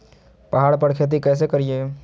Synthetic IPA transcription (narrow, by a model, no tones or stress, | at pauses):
pɐɦaːɽpəɽkʰeːt̪̬ikɛːs̬ekəɾieː